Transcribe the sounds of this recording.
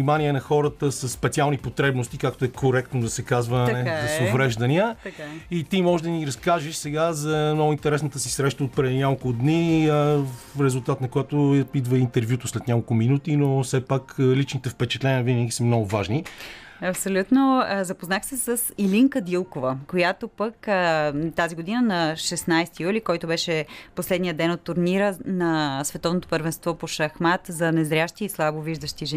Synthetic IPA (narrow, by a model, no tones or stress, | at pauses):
nimanʲiɛnɐxɔɾət̪əsəsːpɛt̪sialˠnipot̪ɾɛbnost̪ikakt̪oɛkʰoɾɛk̚t̪nod̪ɐsɛkazvəɛzɐsovɾɛʒd̪ɐniət̪ait̪imɔʒɛd̪ɐəniɾɐskaʒɛʃsɛɡazɐmnɔɡʊint̪ɛɾɛsnət̪əsisɾɛʃt̪əot̪̚pɾɛd̪inʲakolˠkʊd̪niəɾɛzulˠt̪at̪nɐkojat̪oid̪vəint̪ɛɾvʲjut̪oslɛt̪nʲɲʲakolˠkʊminut̪inofsɛpaklit͡ʃnit̪ɛfpɛt͡ʃɛt̪lɛnʲiəvinəɡʲisəmnɔɡʊvaʒni | ɐpsolʲut̪nozɐpoznaxsɛsəsiliŋkəd̪ilˠkovəkojat̪opəkət̪aziɡod̪inənɐʃɛsnajst̪ijulikɔjt̪obɛʃɛposlɛd̪nijəd̪ɛnot̪ːuɾniɾənɐsvɛt̪ɔvnot̪o̥pəɾvɛnst̪vɔpoʃɐxmat̪zɐnɛzɾʲjaʃt̪iːslˠaboviʒd̪əʃt̪iʒɛ